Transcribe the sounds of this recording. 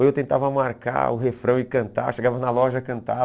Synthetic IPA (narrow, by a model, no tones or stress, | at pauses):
ewt̪ẽnt̪avɐmaɾka̰ʊɦefɾɐ̃w̃ɪkɐ̃nt̪a̰ʃeɡavɐnɐlɔʒɐkɐ̃nt̪a